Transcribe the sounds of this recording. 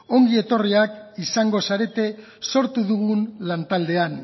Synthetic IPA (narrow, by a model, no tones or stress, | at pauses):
o̞ŋɡie̞t̪o̞riakisaŋɡo̞saɾe̞t̪e̞ | so̞ɾt̪uðuɣunlant̪ald̪e̞an